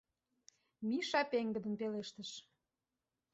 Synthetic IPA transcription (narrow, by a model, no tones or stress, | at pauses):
miʃɑpeŋɡə̆d̪ə̆npeleʃt̪əʃ